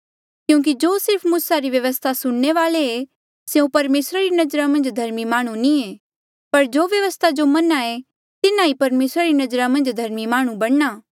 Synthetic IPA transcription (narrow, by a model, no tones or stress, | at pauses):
kjũːk̬id͡ʒoːsɪɾpʰmuːsaɾiʋjɐʋəst̪ʰasʊɽːeʋaːlee | seũpɐɾmeːsɾaɾinɐd͡ʒɾamɐ̃nd͡ʒd̪ʱɐɾmimaːɽ̃ũnĩe | pɐɾd͡ʒoːʋjɐʋəst̪ʰad͡ʒomɐnae | t̪ɪnãipɐɾmeːsɾaɾinɐd͡ʒɾamɐ̃nd͡ʒd̪ʱɐɾmimaːɽ̃ũbɐɽ̃naː